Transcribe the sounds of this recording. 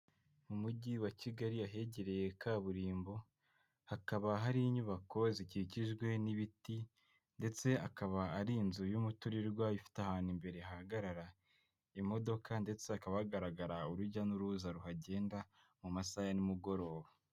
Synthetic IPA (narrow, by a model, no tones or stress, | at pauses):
mumuɟiwaciɡaɾiaɦe̞ɟe̞ɾe̞je̞kaβuɾiːmbo̞ | hakaβaɦaɾiɲuβako̞ziciciʒɡwe̞niβiti | nde̞t͡se̞akaβaːɾiːnzujumutuɾiɾɡwaifi̥tahaːnimbe̞ɾe̞ahaɡaɾaɾa | imo̞do̞kʰande̞t͡se̞akaβaaɡaɾaɡaɾauɾuɾɟanuɾuzaɾuɦaɟe̞ːnda | mumasajanimuɡo̞ɾo̞ːβa